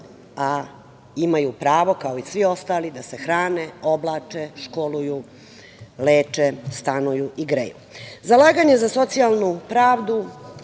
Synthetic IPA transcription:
a | imajupɾaːʋo̞kaoisʋio̞st̪aːlid̪asexɾaːneoblˠaːt͡ʂeʃkoluju | leːt͡ʂest̪anujuʔiɡɾḛjṵzalˠaːɡaɲe̞zaso̞t̪sijalˠnupɾaːʋd̪u

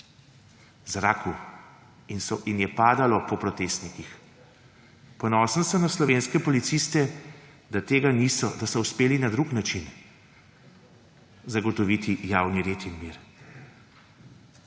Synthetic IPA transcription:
zɾa̰ːku | insɔinjɛpaːd̪alɔpɔpɾɔt̪eːst̪nikix | pɔnɔːsənsəmnaslɔʋeːnskɛpɔlit̪sist̪ɛ | d̪at̪eːɡanisɔd̪asɔuspeːlinad̪ɾuknat͡ʃin | zaɡɔt̪ɔʋit̪ijaːwniɾet̪inmiɾ

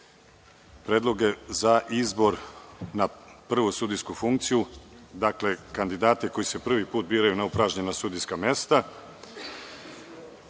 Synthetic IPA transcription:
pɾeːd̪lˠo̞ɡe̞zaʔizbo̞ɾnapr̩ʋusud̪ijskufuŋk̚t̪sijud̪akle̞kand̪id̪aːt̪eko̞jise̞pr̩ʋipuːt̪̚biːɾajunaupɾaʒɲe̞nasud̪ijskamje̞st̪a

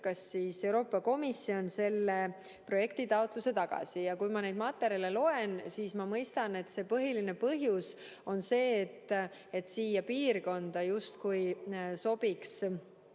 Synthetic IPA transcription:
kɑsːiːse̞wɾo̞ːpːˑɑko̞misːio̞nse̞lːe̞ | pro̞je̞kt̪it̪ɑwt̪ˑluse̞t̪ɑɡ̥ɑ̰sijɑkujmɑnejd̪mɑt̪ːˑeɾelelo̞ensiːsmɑmɤjst̪ɑne̞t̪ːˑse̞ːpɤɦiline̞pɤɦjus | o̞nse̞ːt̪ː | et̪siːjɑpiːrko̞nd̪̥ɑjust̪kujso̞b̥iks

